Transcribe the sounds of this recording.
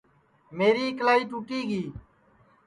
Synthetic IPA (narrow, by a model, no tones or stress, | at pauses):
meːɾiːklaːiːʈuːʈiːɡiː